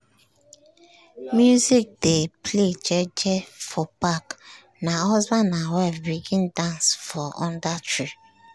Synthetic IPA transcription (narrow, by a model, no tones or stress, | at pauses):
mjuzik̚depled͡ʒed͡ʒɛfɔpak | naɔzbanawɛvbiɡɪ̃n̩dãnsfɔʔɔ̃ndatɾi